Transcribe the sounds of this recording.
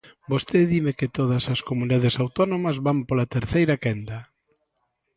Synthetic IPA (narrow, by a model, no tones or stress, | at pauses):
bost̪eðimekɪt̪oðɐsɐskomuniðaðesawt̪ɔnomɐzβampolat̪eɾθejɾakɛnd̪ɐ